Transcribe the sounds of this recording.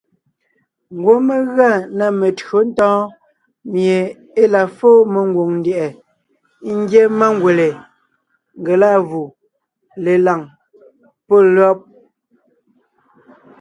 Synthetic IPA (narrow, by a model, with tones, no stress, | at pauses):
ŋ˨ɡwo˦me˦ɣa˦˨na˨me˨tɰo˨˦n̩˦tɔ̃ː˦ | mje˨ | e˦la˨foː˦me˨ŋ˦ɡwo˨ŋn̩˦dɛ˨ʔɛ˨˦ | ŋ̩˦ɡje˦ma˦ŋ˦ɡwe˨le˨ | ŋɡe˨la˦˨ɣu˨ | le˨la˨ŋ | po˦˨lɔ˦p̚